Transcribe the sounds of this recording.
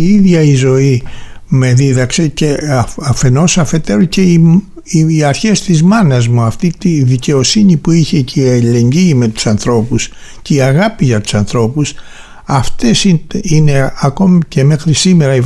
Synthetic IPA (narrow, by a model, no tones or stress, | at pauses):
iðʝɐizo̞ime̞ðiðɐkseceɐfe̞no̞sɐfe̞t̪e̞ɾoce̞i | iɐɾçe̞st̪izmɐnɐzmuɐft̪it̪iðice̞o̞siɲipuiçe̞ceiele̞ɲɟiːme̞t̪u̥sɐnθɾo̞pus | ceiɐɣɐpiʝɐt̪u̥sɐnθɾo̞pus | ɐft̪e̞siine̞ɐko̞mice̞me̞xɾisime̞ɾɐi